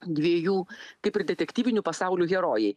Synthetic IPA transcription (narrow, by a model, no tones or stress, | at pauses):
d̪ʲʋʲiɛjuːkɐɪpɪɾd̪ʲɛt̪ʲɛkt̪ʲiːʋʲɪnʲupɐsɑˑʊlʲuːɣʲɛɾoːjɛɪ